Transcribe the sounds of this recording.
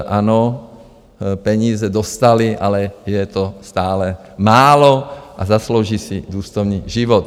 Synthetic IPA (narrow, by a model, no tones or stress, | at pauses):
ʔanɔ | pɛɲiːzɛd̪ɔst̪aliʔalɛjɛt̪ɔst̪aːlɛ | maːlɔʔazasloʊʒiːsid̪uːst̪ɔʊniːʒiʋɔt̪